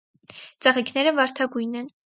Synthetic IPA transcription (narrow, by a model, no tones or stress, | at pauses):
t͡sɑʁikʰnɛɾəvɑɾt̪ʰɑɡujnɛn